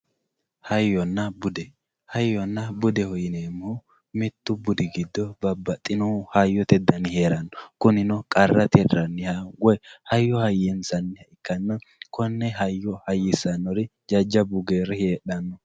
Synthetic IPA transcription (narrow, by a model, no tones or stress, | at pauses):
hɐjːɔnːɐbʊd̪ɛ | hɐjːɔnːɐbʊd̪ɛhɔjɪneːmːʊ | mɛt̪ːʊbʊd̪ɪɡɪd̪ːɔbɐbːɐt̪ʼːɪnɔhɐjːɔt̪ɛd̪ːɐnɪheːɾɐnːɔkʊnɪnɔkʼɐrːɐt̪ɛd̪ɾɐnːɪhɐɡɔɛhɐjːɔhɐjɛnsɐnːɪhɐɪkːɐnːɐkɔnːɛɦɐjːɔhɐjːɪsɐnːɔɾɪd͡ʒɐd͡ʒːɐbʊɡeːɾɛheːɗɐnːɔ